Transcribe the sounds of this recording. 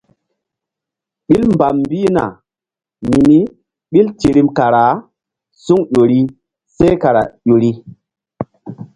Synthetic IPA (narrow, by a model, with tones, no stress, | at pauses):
ɓi˦lmba˨mmbi˦na̰˨ | mi˨ni˦ | ɓi˦lti˨ɾi˦mka˨ɾa˨˦ | su˦ŋɗo˨ɾi˦ | se˦ka˨ɾa̰˨ʄo˨ɾi˦